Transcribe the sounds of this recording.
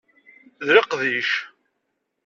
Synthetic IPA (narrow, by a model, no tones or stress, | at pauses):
ðɾɪqðiʃ